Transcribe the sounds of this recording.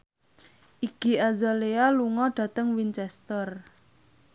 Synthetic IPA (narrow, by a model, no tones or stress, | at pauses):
ʔiɡ̥i̤azalealuŋɔɖ̥ä̤t̪əŋwint͡ʃɛst̪ər